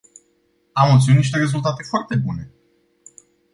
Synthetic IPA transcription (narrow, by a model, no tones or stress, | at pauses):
amot̪siuniʃ̬ʲt̪e̞ɾe̞zult̪at̪e̞foart̪e̞bune̞